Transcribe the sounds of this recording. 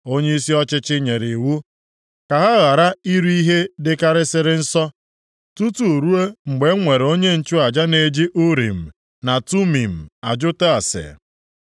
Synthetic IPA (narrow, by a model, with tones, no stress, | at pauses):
o˦ɲe˦i˦si˦ɔ˦t͡ʃɪ˦t͡ʃɪ˦ɲe˨ɾi˨wu˦ | ka˨ɦa˦ɣa˨ɾa˦i˦ɾi˦ɦe˦dɪ˨ka˦ɾɪ˦sɪ˨ɾɪ˦n̩˦sɔ˦ | tu˦tu˨ɾu˦e˦ŋ͡m̩˨ɡ͡be˨˦ŋʷe˨ɾe˨o˦ɲe˦n̩˨t͡ʃʊ˦a˨d͡ʒa˦ne˨d͡ʒi˦ʔʊ˦ɾḭ˨m̩˨ | na˨tu˦mi˨m̩˨a˨d͡ʒʊ˦ta˦a˨sɪ̰˨